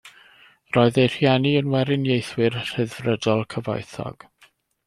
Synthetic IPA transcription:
rɔːɨðejr̥jɛniənwɛɾɪnjejθwɪrr̥ɨðrədɔlˠkʰəva̰jθɔ̰ɡ̥

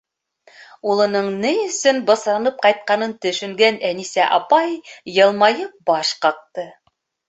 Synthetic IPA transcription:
ulˠɤ̆nɤɴnɘjɵ̆sɵnbɤ̆sɾɑnɤp̚qɑjt̪̚qɑnɤnt̪ɵ̆ʃɵ̆ŋɡænænisæʔɑpɑjːɤ̆lˠmɑjɤp̚bɑʃqɑq̚t̪ɤ

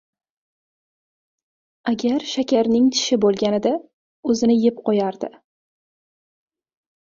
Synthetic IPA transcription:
aɡʲaɾʃakʲʰaɾnɪŋt̪ʰɪ̥ʃɪbolˠɡʲanɪd̪a | ɵzɪnɪjɪp̚qʰɒjaɾd̪ɪ

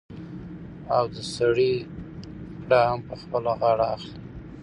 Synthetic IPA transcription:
awd̪əsaɽi | ɽahampəxpəlaɣɑɽaːxli

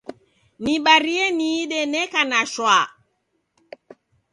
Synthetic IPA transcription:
niɓaɾiɛniːɗɛnɛkanaʃwa

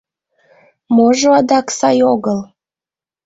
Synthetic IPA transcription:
moʒoɑd̪ɑksɑjoɣəl

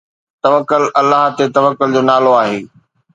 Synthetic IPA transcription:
t̪ɐʋəkːʊlʔɐlːaɦt̪et̪ɐʋəkːʊld͡ʑoːnaːloaːɦeː

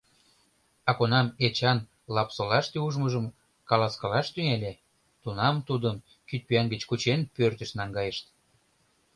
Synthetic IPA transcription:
ɑkonɑmet͡ɕɑn | lɑpsɤ̆lɑʃt̪euʒməʒəm | kɑlɑskɑlɑʃt̪yŋælʲe | t̪unɑmt̪ud̪əm | kyt̪̚pyænɡə̆t͡ɕkut͡ɕenpørt̪ə̆ʃnɑŋɡɑjəʃt̪

